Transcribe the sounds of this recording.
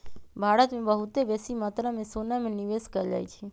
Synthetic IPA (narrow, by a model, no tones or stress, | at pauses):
bʱaːɾət̪mẽbəɦʊt̪ebɛːsimaːt̪ɾãmẽsoːnamẽniʋeːskəɾd͡ʒa̰ːit͡ʃʰi